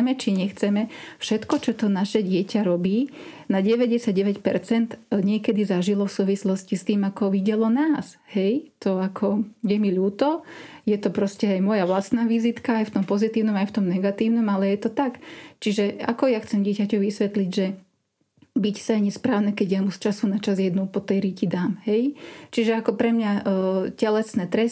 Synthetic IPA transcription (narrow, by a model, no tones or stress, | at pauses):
mɛt͡ʃiɲɛxt͡sɛmɛfʃɛt̪kɔt͡ʃɔt̪ɔnaʃɛɟɪɛcaɾɔbiːnaɟɛʋɛɟɛsaɟɟɛʋɛcpɛɾt͡sɛnd̪ɲɪɛkɛd̪izaʒilɔfsuːʋislɔscist̪iːmakɔʋiɟɛlɔnaːshɛjt̪ɔakʰɔjɛmiʎuːt̪ɔjɛt̪ɔpɾɔscɛajmʊɔjaʋlast̪naːʋizit̪kaajft̪ɔmpɔzit̪iːʊnɔmajft̪ɔmnɛɡat̪iːʊnɔmalɛjɛt̪ɔt̪akt͡ʃiʒɛa̰kɔjaxt͡sɛmɟɪɛcacɔʊʋisʋɛt̪liɟʒɛ | bicsaajɲɛspɾaːʊnɛkɛɟjamust͡ʃasunat͡ʃazjɛd̪nupɔt̪ɛjɾicid̪aːmɦɛjt͡ʃiʒɛakɔpɾɛmɲacɛlɛsnɛt̪ɾɛ